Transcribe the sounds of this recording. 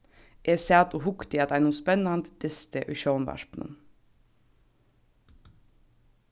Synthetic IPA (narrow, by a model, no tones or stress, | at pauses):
ʔeːsæːt̪uːhʊkt̪ɪɑt̪æɪnuːspɛnɑnt̪d̪̥ɪst̪əʔʉʃoːnʋæ̰ʃpnə̰n